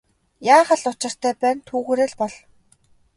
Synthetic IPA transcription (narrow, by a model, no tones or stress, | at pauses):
jaːχə̆ɮʊt͡ɕɪ̆r̥t̪ʰæːpæːnt̪ʰuːɣuːɾeːɮpɔɮ